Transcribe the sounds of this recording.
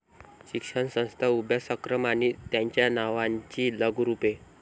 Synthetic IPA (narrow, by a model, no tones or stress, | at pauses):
ɕikʂəɳsə̃w̃st̪ʰaubjasəkɾəmanit̪jaɲt͡ɕjanaʋaɲt͡ɕiːləɡʱɾupe